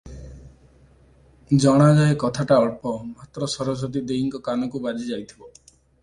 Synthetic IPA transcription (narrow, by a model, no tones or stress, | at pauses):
d͡ʒɔɽ̃ad͡ʒaekɔt̪ʰaʈaɔɭpɔmat̪ɾɔsɔɾɔsɔt̪̬id̪eiŋkɔkanɔkubad͡ʒid͡ʒajt̪ʰibɔ